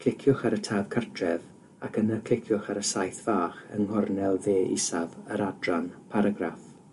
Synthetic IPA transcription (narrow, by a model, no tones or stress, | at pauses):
kʰl̥ɪkʰjʊχaɾətʰaːv̥kʰartʰrɛv | akənərkʰl̥ɪkʰjʊχaɾəsajθv̥aːχə̰nhɔrnɛlˠveːḭsavəɾadranpʰaɾaɡra̰f